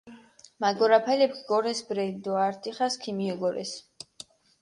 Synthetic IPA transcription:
maɡɔɾapʰalɛpɡɔɾɛsbɾɛnd̪ɔaɾt̪ʼiχaskʰimiɔɡɔɾɛ̰s

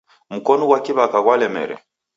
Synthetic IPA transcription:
mukɔnɔɡwakiβakaɣwalɛmɛ̰ɾɛ̰

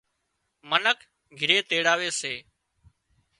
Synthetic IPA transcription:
mənək | ɡʱɪɾeːt̪eːɽaːʋeːseː

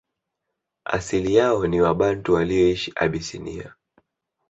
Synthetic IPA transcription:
a̰silijaɔniwaɓantuwaliɔiʃiʔa̰ɓisinḭa̰

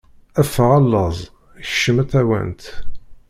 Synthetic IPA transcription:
æfʁɑlːəzˤ | ʃːəmæθæwæ̰nt̪

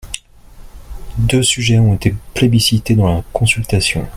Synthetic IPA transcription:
d̪øsyʒɛɔ̃et̪eplebisit̪ed̪ɑ̃lakɔ̃sylt̪asjɔ̰̃

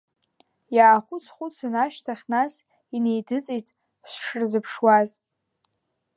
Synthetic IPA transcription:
jaːχʷʊt͡sʰχʷʊt͡sʰanaʃtʰaχʲnas | ine̞jdɨt͡sʼijtʼ | sʂɨrzɨpʰʂwaz

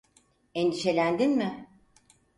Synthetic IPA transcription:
end̪iʃe̞lʲænd̪inmɪ

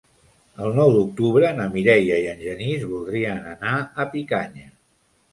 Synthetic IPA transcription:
əlˠnɔwd̪uk̚t̪uβɾəːnəmiɾɛjəiənʒənizβulˠd̪ɾiənənaəpikaɲə

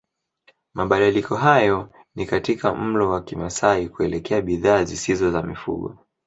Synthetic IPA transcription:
maɓaɗalikɔɦajɔ | nikatikam̩lɔwakimasaikuɛlɛkɛaɓiðaːzisizɔzamifṵɠɔ

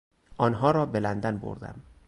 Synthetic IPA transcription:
ʔɒːnɦɒːɾɒːbelænd̪ænbo̰ɾd̪æ̰m

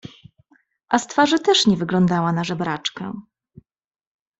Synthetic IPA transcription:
ʔast̪faʐɘt̪ɛʂɲɛvɘɡlɔnd̪awanaʐɛbɾat͡ʂkɛ̰

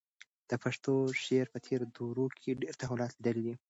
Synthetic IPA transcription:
d̪̥əpaʂt̪oʃeɾpət̪ʰeɾd̪oɾokʰeɖeɾt̪aɦulɑt̪lid̪əlid̪i

